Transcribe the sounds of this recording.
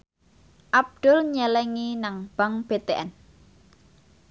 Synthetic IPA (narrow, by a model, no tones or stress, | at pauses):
ʔab̚d̪̥ʊlɲɛlɛŋinaŋb̥a̤ŋb̥et̪eʔɛn